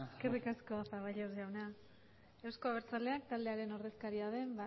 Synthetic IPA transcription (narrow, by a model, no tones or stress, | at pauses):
skerikasko̞afaβajʎozʝawna | ewsko̞aβeɾt͡sald̪e̞ak̚t̪ald̪e̞aɾe̞no̞ɾðe̞skaɾiað̞e̞mba